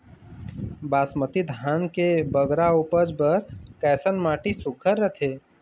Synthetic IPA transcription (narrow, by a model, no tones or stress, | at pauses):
baːsmət̪id̪ʱaːnkebəɡɾauːpəd͡ʒbəɾkɛːsənmaːʈisʊkʰəɾːət̪ʰeː